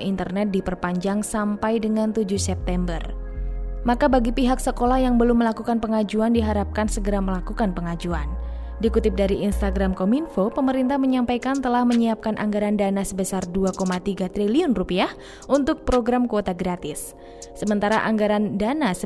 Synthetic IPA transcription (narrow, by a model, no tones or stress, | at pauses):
ʔint̪ərnɛt̪̚dipərpaɲd͡ʒaŋsampajdəŋant̪ud͡ʒʊhsɛp̚t̪ɛmbər | makabaɡipiɦaksəkolahjaŋbəlʊmːəlakukanpəŋad͡ʒuandiɦaɾap̚kansəɡəɾaməlakukanpəŋad͡ʒuan | dikut̪ɪp̚daɾiinst̪aɡɾamkominfopəməɾint̪ahməɲampajkant̪əlahməɲiap̚kanʔa̰ŋɡaɾandanasəbəsarduakomat̪iɡat̪ɾiliʊnrupiah | ʔunt̪ʊk̚pɾoɡɾamkuot̪aɡɾat̪ɪsː | əmənt̪aɾaʔaŋɡaɾandanasə